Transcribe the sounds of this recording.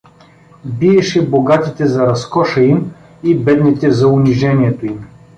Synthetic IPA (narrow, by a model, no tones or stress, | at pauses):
biɛʃɛboɡat̪it̪ɛzɐɾɐskɔʃɐim | ibɛd̪nit̪ɛzɐʊnʲiʒɛnʲiɛt̪oim